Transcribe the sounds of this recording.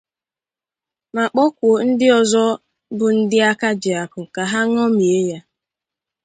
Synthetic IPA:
ma˨k͡pɔ˦kʷo˨n̩˦dɪ˦ɔ˨zɔ˦ | bʊ˨n̩˦dɪ˦a˦ka˦d͡ʒɪ˨a˨kʊ˨ka˨ɦa˦ŋ˦ɔ˦mi˨e˦ja˦

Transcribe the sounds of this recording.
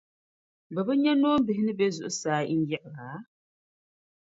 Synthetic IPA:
bə˨bə˦ɲɛ˦nɔː˦m̩˦bi˨ɦi˦nɨ˦be˦zu˨ʔsaː˦ḭ˦n˦jɛ˦˨ʔɣa˨˦

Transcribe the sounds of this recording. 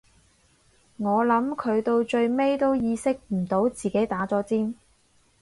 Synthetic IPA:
ŋɔː˨˧lɐ˨˧˥mkʰɵ˨˧ɥt̪o˧wt͡ʃɵ˧ɥme˥jt̪o˥wjiː˨˧sɪ˥k̚m̩˨˩t̪o˨˥wt͡siː˨ke˨˥jt̪aː˨˥t͡sɔː˨˥t͡siː˥n

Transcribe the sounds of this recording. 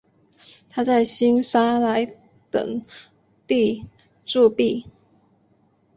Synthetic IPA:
t̪ʰa˥t͡sa˥˩ɪɕi˥nsa˥la˧˦ɪ | t̪ə̰˨˩ŋ | t̪i˥˧ | ʈ͡ʂu˥˧pi˥˩

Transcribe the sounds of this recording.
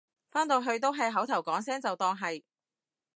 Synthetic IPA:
faː˥nt̪o˨˧wɦɵ˧ɥt̪̬o˥wɦɐ˨jɦɐ˨˥wt̪ʰɐ˨˩wkɔː˨˥ŋsɛː˥ŋt͡sɐ˨wt̪ɔː˧ŋɦɐ˨j

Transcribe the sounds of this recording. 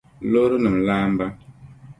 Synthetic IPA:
lo˦ɾɨ˦nɨ˨m˨laː˦m˦ba˦

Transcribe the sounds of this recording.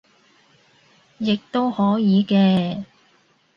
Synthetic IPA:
jɪ˨k̚t̪o˥whɔː˨˥jiː˨˧kɛː˧

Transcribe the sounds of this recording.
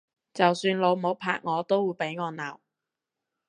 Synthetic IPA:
t͡sɐ˨wsyː˧nlo˨˧wmo˨˧˥wpʰa̰ː˧k̚ŋɔː˨˧t̪o˥wuː˨˧jpe˨˥jŋɔː˨˧naː˨˩w

